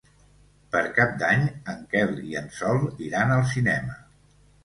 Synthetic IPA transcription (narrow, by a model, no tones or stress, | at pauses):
pəɾkap̚d̪aɲəŋkɛlˠḭənsɔlˠiɾanəlˠsinɛmə